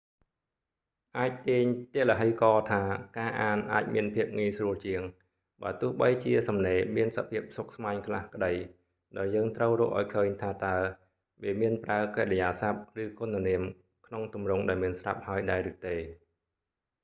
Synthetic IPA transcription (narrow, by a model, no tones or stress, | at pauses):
ʔaːc̚t̪iəɲt̪ɛələɦəjkɑːt̪ʰaːkaːʔaːnʔa̰ːc̚miənpʰiəp̚ŋiəjsruəlt͡ɕiəŋ | ɓaət̪ʊ̆əhɓəjt͡ɕiəsɑmneːmiənsapʰiəp̚sok̚smaɛɲkʰlahkə̆ɗəj | ɗaɔɛljəːŋt̪rəwrʊːhʔa̰ɔjkʰəːɲt̪ʰaːt̪aə | ʋeːmiənpraəkarɛjaːsap̚rɨːkontaniəm | kʰnoŋt̪umrʊŋɗaɛlmiənsra̰p̚haəjɗaɛɾɨːt̪eː